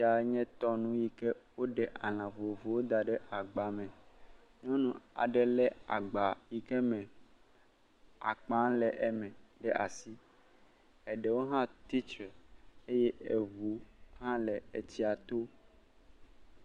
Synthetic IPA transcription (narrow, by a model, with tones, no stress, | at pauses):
i˦a˨˦ɲɛ̃˦t̪ɔ˦nũ˦ji˨kɛ˦wo˦ɖɛ˨ʔa˨l̃ã˨vo˨vo˨wo˦d̪a˨ɖɛ˦ʔa˨ɡ͡ba˨mɛ̃˨ | ɲɔ̃˦nũ˦a̰˨ɖɛ˨lɛ˦a̰˨ɡ͡ba˨ji˨kɛ˦mɛ̃˨ | a̰˨k͡pã˦lɛ˨ʔɛ˨mɛ̃˨ɖɛ˦ʔa̰˨si˦ | ɛ˨ɖɛ˨wo˦ɦã˦t̪i˦t͡ʃɾɛ˨e˦jɛ˦e˨vu˨˦ɦã˦lɛ˨e˨t͡ɕi˦a˨t̪o˦